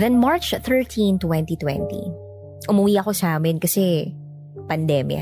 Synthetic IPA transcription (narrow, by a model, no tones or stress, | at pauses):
ðɛnmaɹt͡ʃθɛɹt̪ʰĩnt̪wɛ̃nt̪it̪wɛ̰̃nt̪ḭ | ʔʊmʊwiːʔɐko̞saːmɪnkɐsɛ | pɐnd̪ɛːmja̰